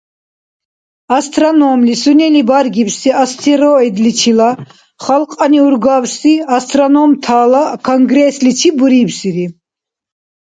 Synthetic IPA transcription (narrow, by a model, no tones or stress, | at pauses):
ast̪ʼɾanɔmlisunɛlibaɾɡipsiast̪ʰɛɾɔɛd̪lit͡ʃʰila | χalqʼaniuɾɡawsiast̪ʼɾɔnɔmt̪ʰaːlakʰɔŋɡɾɛslit͡ʃʰibuɾibsiɾi